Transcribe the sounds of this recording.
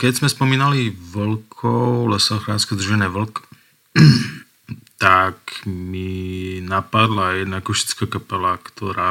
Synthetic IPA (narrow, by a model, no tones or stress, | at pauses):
kɛɟzmɛspɔmiːnaliʋlkʰɔʊlɛsɔxɾaːnskɛd̪rʒɛnɛːʋl̩k | t̪akminapad̪lajɛd̪nakɔʃi̥t͡skaːkapɛlakt̪ʰɔɾaː